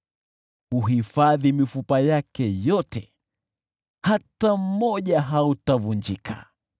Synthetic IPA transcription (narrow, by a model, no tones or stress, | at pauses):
huɦifaðimifupajakɛjɔtɛ | hatam̩mɔʄaɦautavund͡ʒikʰa̰